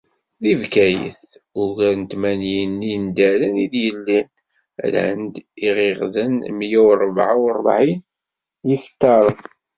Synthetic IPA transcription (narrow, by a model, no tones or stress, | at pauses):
ðivkæjə̰θʊʝæɾnt̪mænjənːind̪ælənid̪jəlːin̰ | lhə̰nd̪iʁɪʁðənmjæwɾˤbʕawrˤəbʕin | jəçt̪ːɑɾˤən